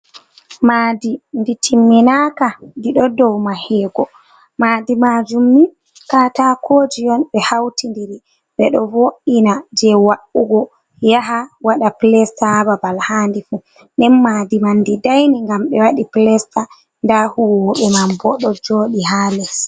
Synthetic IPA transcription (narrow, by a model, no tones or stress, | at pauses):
maːdinditʰimːinakandiɗɔdɔwmahɛːɡɔ | maːdimad͡ʒumːi | katakʰoːd͡ʒijɔnɓɛhawtindiɾi | ɓɛɗɔvoʔinad͡ʒɛwaʔuɡɔ | jaɦawaɗaplɛstababalhandifu | ndɛnmaːdimandidajniŋɡamɓɛwaɗiplɛsta | ndahuwɔɓɛmambɔɗɔd͡ʒoːɗiɦaːlɛs